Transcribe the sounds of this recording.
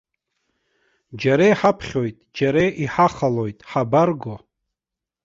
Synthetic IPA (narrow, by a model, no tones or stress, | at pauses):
d͡ʒaɾejħapʰχʲo̞jtʼd͡ʒaɾejʔiħaχalo̞jtʼħabarɡo